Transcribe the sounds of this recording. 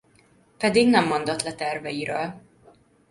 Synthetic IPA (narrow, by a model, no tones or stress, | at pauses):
pɛd̪iɡnɛmːo̞nd̪ot̪lɛt̪ɛrvɛjiɾøːl